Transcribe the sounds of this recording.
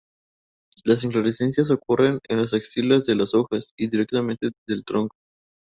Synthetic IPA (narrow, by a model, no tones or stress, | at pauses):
las̬iɱfloɾese̞nsjas̬o̞kure̞nenlaseksilazðe̞lasoxasiðiɾek̚t̪amẽnt̪eðe̞lt̪ɾo̞ŋko̥